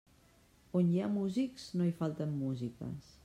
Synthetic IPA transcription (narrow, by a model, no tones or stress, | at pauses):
onjamuzikz̥noifalˠt̪əmːuzikə̰s